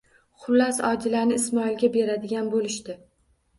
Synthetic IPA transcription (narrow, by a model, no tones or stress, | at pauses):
χʊlːasɒd͡ʒɪlanɪːsmɒɪlɡʲabe̞ɾad̪ɪɡʲanbolɪʃt̪ɪ